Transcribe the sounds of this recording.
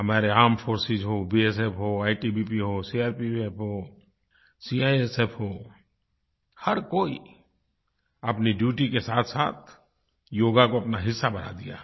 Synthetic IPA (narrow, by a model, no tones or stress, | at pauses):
ɦəmaːɾeaːmfʰoːɾsɪd͡ʒɦoːbiːes̬epʰɦoːaːiʈibipiɦoːsiaːɾpiepʰɦoː | siːaːiesepʰɦoː | hɐɾkoːḭ | ɐpniɖjuːʈikesaːt̪ʰsa̰ːt̪̚ʰ | joːɡakoɐpnaɦɪsːabɐna̰d̪ija̰ː